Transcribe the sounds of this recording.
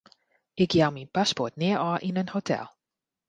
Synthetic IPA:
ɪkjawminpaspɔɹtnɪəɹɑʔɪnənhotʰɛ̰lˠ

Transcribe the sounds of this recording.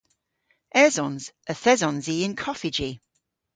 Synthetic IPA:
ɛzɔ̃nz̥əθɛzɔ̃nziɪ̃nkʰɒfɪd͡ʒi

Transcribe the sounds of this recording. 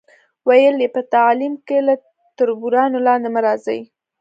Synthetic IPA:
wajəljepət̪alimkela | t̪ʊɾbuɾɑnolɑnd̪emaɾɑzaji

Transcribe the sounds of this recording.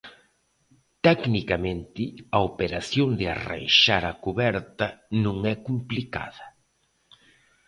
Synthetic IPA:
t̪ɛknikamẽnt̪ɪɐopeɾasjond̪ɪa̰ra̰jʃaɾɐkuβɛɾt̪ɐnũŋɛkumplika̰ðɐ

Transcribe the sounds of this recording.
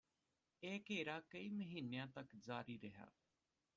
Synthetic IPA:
eːkeːɾaːkəiːməɦiːnejãːt̪əkd͡ʒaːɾiːɾəɦa̰ː

